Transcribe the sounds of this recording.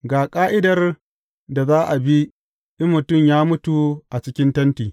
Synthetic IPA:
ɡaː˨kʼaː˦ʔɪ˦dɐ˨r | da˨zaː˦ʔa˨bi˦ | ʔɪ˦mːʊ˨tʊ˦˨mjaː˦mʊ˦tu˨ʔa˨t͡ʃɪ˦kʲɪ˦ntɐ˦ntiː˨

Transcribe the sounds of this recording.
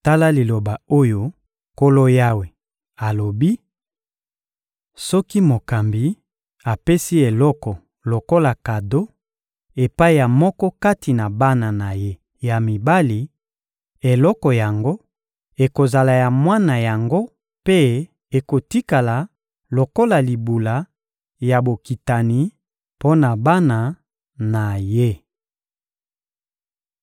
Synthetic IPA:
ta˦la˦li˨lo˨ba˨o˦jo˦ | ko˦lo˦ja˦we˨ | a˨lo˨bi˦ | sɔ˦ki˦mo˨ka˨mbi˨ | a˨pe˦si˦e˨lɔ˦kɔ˨ | lo˨ko˦la˨ka˨do˦ | e˨pa˦i˦ja˨mɔ˦kɔ˦ka˦ti˨na˨ba˦na˨na˨je˦ | ja˨mi˨ba˦li˨ | e˨lɔ˦kɔ˨ja˨ŋɡo˦ | e˨ko˨za˨la˨ja˨mwa˦na˨ja˨ŋɡo˦ | pe˦ | e˨ko˨ti˦ka˨la˨ | lo˨ko˦la˨li˨bu˨la˨ | ja˨bo˨ki˨ta˨ni˨ | po˦na˨ba˦na˨ | na˨je˦

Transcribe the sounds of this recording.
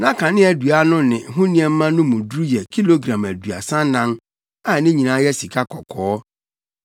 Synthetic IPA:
nã˦kʰã˨nɪ̃˦æ˨du˨a˦nʊ̃˦nɪ̃˨ɦʊ̃˦nĩ˦ɛ˨m̩˦mã˦nʊ̃˦mʊ̃˨dɾu˦jɛ˨kʰi˦lo˨ɡɾã˨mæ˨dɥa̰˨sã˦n˦nã˦n | a˨˦nɪ̃˦ɲĩ˨nã˨˦jɛ˦si˨kʰa˦kʰɔ˨kʰɔː˦

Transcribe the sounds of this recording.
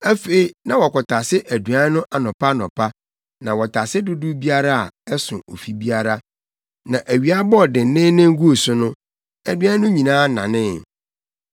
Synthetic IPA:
æ˦fe˨i˨nã˨wɔ˨kɔ˨tʰa˨sɪ˦ʔæ˨du˨a˦nʊ̃˦ʔa˨nɔ̃˨pʰa˦nɔ̰̃˨pʰa˦ | nã˨wɔ˨tʰa˨sɪ˦dʊ˦dʊ˦bi˦a˦ɾa˦a̰˨ɛ˦sʊ̰̃˨ʔo˨fi˦bi˦a˦ɾa˦ | nã˨ʔæ˨ɥi˨a˦bɔ˦˨dɪ˨˦nɪ̃˦nɪ̃˦ŋ̩˦ɡu˦o˨sʊ˦nʊ̃˦ | æ˨dɥa˦nʊ̃˦ɲĩ˨nãː˦nã̰˨nɪ̃˦

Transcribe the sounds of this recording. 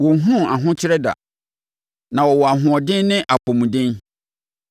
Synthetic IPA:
wɔ˨˦ɦũ˦˨a˨ɦʊ̃˦t͡ɕʰɪ˦ɾɛ˦da̰˨ | nã˨wɔ˨wɔ˨a˨ɦʊ̃˨ɔ˨dɪ̃˦nːɪ̃˦ʔa˨pʰõ˨mũ˨dɪ̃˦n

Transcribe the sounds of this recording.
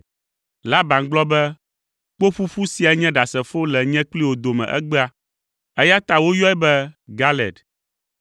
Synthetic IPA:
la˦ba˨ŋɡ͡blɔ˦bɛ˦ | k͡po˦ɸu˦ɸu˦si˦a˨ɲɛ̃˦ɖa˨sɛ˨fo˦lɛ˨ɲɛ̃˦k͡pli˦wo˨d̪o˨mɛ̰̃˨ʔɛ̰˦ɡ͡bɛ˦a˦ | ɛ˦ja˦t̪a˦wo˦jɔ˦ɛ˦bɛ˦ɡa˦lɛ˨d

